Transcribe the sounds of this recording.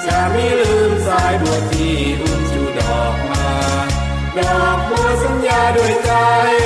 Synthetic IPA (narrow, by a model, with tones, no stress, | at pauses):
t͡ɕa˧˩miː˧˥˨lɯː˧msaː˨˦˥jdu˨˩əjt̪iː˧ | ku˧nsuː˨˩dɔː˨˩k̚maː˧ | dɔː˨˩k̚mɔ˧jsa˨˦njaː˧du˧˩əjka˧j